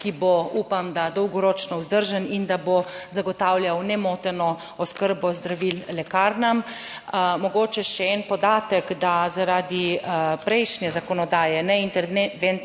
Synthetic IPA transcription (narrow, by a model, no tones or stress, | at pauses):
kiboupamd̪ad̪ɔwɡɔɾoːt͡ʃnɔuzd̪əɾʒanind̪abozaɡɔt̪aːwljawnɛmoːt̪ɛnɔ | ɔskəɾbɔzd̪ɾaʋillɛkaːɾnam | mɔɡoːt͡ʃɛʃɛɛnpɔd̪aːt̪əkd̪azaɾaːd̪ipɾɛjʃnjɛzakɔnɔd̪aːjɛnɛint̪ɛen